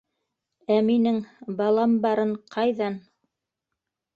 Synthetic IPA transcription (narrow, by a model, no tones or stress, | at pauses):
æminɘŋbɑlˠɑmbɑɾɤɴqʰɑjðɑn